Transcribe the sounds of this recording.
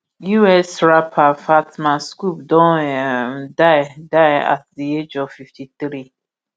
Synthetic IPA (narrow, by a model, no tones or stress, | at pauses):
juɛsɹapʰafatmãskupdɔ̃ | daɪdaɪa̰t̚ðied͡ʒɔvfiftʰiθɾi